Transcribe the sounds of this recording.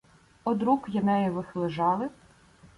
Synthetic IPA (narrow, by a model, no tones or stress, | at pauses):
ɔd̪ɾukjɐnɛjɛʋɪxlˠɪʒɑlˠɪ